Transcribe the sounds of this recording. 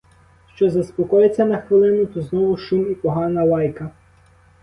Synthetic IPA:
ʃt͡ʃɔzɐspɔkɔjet͡sʲːɐnɐxʋɪlˠɪnʊt̪ɔznɔʋʊʃumipɔɦɑnɐlɑjkɐ

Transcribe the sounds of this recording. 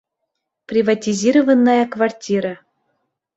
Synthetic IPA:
prʲivatʲizʲiɾovənːɑjakvartʲiɾa

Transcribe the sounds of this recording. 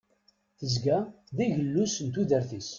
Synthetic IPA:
θəzɡæ | ðiʝəlːusənt̪uðəɾθis

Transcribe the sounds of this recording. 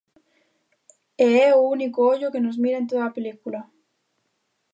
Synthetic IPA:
eeunikooʎoke̞nozmiɾaent̪oðaapelikula

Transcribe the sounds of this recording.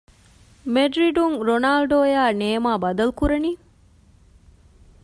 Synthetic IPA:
meɖɾiɖuŋɾonaːlɖoːjaːneːmaːbɐd̪ɐlukuɾɐni

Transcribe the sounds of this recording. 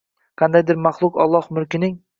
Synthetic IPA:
qʰɑnd̪ajd̪ɪɾmaχlˠʊqɒ̰lˠːɒhmʊɾkʲɪnɪŋ

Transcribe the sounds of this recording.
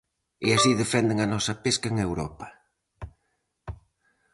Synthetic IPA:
easiðefɛnd̪eŋɐnɔsɐpeskɐŋewɾɔpɐ̥

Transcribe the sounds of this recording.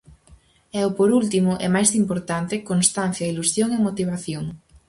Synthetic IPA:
ɛʊpoɾult̪imʊʔɛ̰majzimpoɾt̪ant̪ekonst̪anθjailusjoŋemot̪iβ̞aθjoŋ

